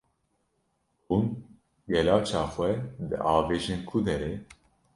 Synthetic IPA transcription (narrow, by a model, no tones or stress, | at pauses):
hun | ɡɛlɑːt͡ʃʰɑːxʷɛd̪ɨ̰ʔɑːveːʒenkʰud̪ɛɾe